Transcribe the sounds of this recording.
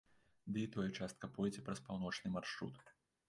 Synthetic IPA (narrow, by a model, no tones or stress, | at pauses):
d̪ɨit̪ɔjɛt͡ʂast̪̚kɐpɔjd͡zʲɛpɾɐspawn̪ɔt͡ʂnɨmarʂɾṵt̪